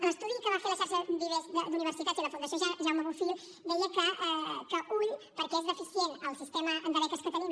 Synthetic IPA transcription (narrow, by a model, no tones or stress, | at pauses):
ləst̪uðikəβafeɾəʃaɾʃəd̪iβezðəd̪uniβ̞əɾsit̪at̪iləfund̪ɐsjoʒaʒawmeβufiʎ | d̪ejəkəɛkəʔuʎpəɾkezðəfisjenəlˠsist̪eməːnd̪əɾɛk̪əskət̪ənim